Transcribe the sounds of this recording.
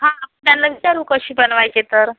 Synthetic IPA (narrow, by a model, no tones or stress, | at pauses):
ɦãpəɳt̪janlaʋit͡ɕaɾuːkəɕiːbənʋajket̪əɾ